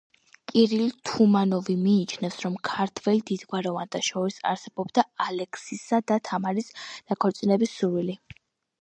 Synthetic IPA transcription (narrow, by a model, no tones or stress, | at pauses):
kʼiɾilt̪ʰumanɔvimiːt͡ʃʰnɛfsɾɔmkʰaɾt̪ʰvɛlid̪id̪ɡwaɾɔvant̪ʰaʃɔɾisa̰ɾsɛbɔbd̪aalɛkʰsisad̪at̪ʰamaɾisd̪̥akʰɔɾt̪sʼinɛbisːuɾwili